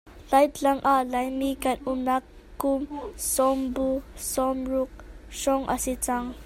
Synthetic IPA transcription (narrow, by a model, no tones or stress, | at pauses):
lajt̪laŋʔalajmikanunakː | umsɔmbusɔmɹuk̚ʃɔŋʔa̰sit͡saŋ